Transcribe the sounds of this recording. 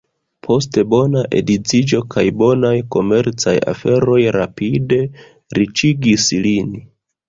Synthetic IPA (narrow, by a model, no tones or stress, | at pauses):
pʰo̞s̬te̞bo̞naʔḛdit͡sid͡ʒo̞kʰajbo̞najko̞me̞ɾt͡saja̰fe̞ɾo̞jɾapide̞ | ɾit͡ʃiɡislin